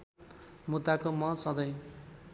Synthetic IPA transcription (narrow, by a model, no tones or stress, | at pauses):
mud̪akomʌsʌd̪ʌj̃